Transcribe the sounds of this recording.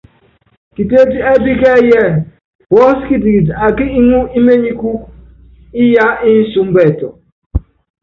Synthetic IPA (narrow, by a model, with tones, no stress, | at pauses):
ki˨te˦di˦e˦bi˦ɡe˦˨je˦˨ | bɔ˦ski˦tɡi˨da˨ɡɪ˦i˦ŋu˦i˦me˦ɲi˦ku˦ | i˦ja˦i˦su˨m̩˦be˦˨tɔ̰˨